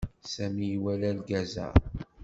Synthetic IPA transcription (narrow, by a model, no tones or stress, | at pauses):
sæmijwælælɡæzæ̰